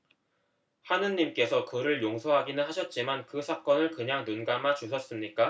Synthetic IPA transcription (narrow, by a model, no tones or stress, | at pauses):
hanɯɲːimk͈e̞sʰʌkɯɾɯɭjoŋsʰʌɦaɡinɯnɦaɕʰʌt̚t͡ɕ͈imankɯsʰak͈ʌnɯɭkɯɲaŋnunɡamat͡ɕusʰʌs͈ɯmɲik͈a